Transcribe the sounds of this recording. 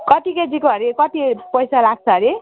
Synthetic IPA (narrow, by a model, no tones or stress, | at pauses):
kʌt̪iked͡zikoɦʌɾikʌt̪ipʌjsalaɡ̚t͡sʰʌɾi